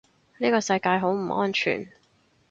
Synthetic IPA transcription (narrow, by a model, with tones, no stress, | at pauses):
niː˥kɔː˧sɐ˧jkaː˧jɦo˨˥wm̩˨˩ʔɔ̰ː˥nt͡ʃʰy̰ː˨˩n